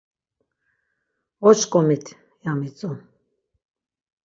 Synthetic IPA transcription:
ɔt͡ʃkʼɔmit̪ʰ | jamit͡sʼu

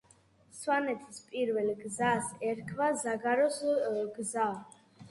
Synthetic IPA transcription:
swanɛt̪ʰispʼiɾvɛlɡzasɛɾkʰvazaɡaɾɔsɡza

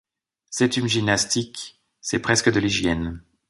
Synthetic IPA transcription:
sɛt̪ynʒinːast̪ik | sɛpχɛskəd̪əliʒjɛn

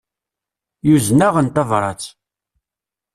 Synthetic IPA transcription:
juznaʁənt̪ɑvɾˤɑt͡sː

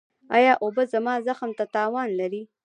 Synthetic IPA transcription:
ɑ̰jɑʔobəzamɑzaxmt̪at̪ɑːwɑnlaɾi

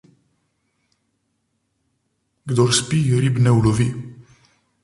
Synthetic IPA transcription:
ɡd̪oɾspiɾibnɛwlovi

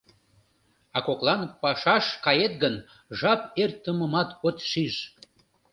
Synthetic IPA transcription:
ɑkoklˠɑnpɑʃɑʃkɑjet̪ɡən | ʒɑpert̪ːəməmɑt̪ot̪ʃiʒ

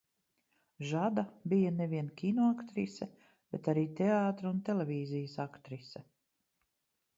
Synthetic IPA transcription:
ʒad̪abijaneviɛnkʲinɔakt̪ɾisɛ | b̥et̪aɾiːt̪eaːt̪ɾunt̪elʲevʲiːzijəsakt̪ɾisɛ

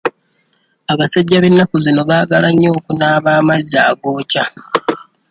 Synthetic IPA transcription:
aβasaɟːaβe̞nːakuzino̞βaːɡalaɲːo̞ːkunaːβaːmaza̰ːɡoːca

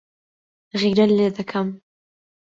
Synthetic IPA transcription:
ɣiːɾɐlːeːd̪ɐkʰɐm

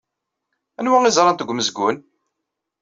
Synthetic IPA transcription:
ænwæŋizˤɾˤɑnt̪əɡʷməzɡʷʊn

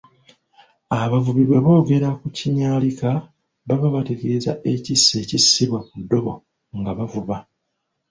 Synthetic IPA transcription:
aβavuβiβwe̞βo̞ːɡe̞ɾakuciɲaːlika | βaβaβateɡeiza̰ʔe̞cisːe̞cisːiβwemudːo̞βo̰ | ŋɡaβavuβa

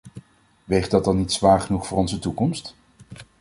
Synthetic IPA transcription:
ʋejχ̚dɑt̚dɑnːitsʋaːɹχənuχfʊːrɔnzətukɔmst

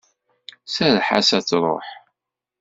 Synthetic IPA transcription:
sæðħa̰sæt͡sːɾˤo̰ħ

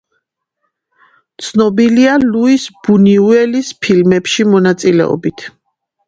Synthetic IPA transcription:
t̪sʰnɔbilialuisb̥uniuɛlispʰilmɛpʃimɔnat̪sʼilɛ̰ɔ̰bit̪ʰ

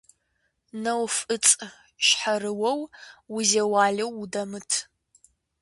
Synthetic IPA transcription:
nɐwfɨt͡sʼ | ɕħarɨwɐwwʊzeːwaːɮɐwudɐmɨtʰ

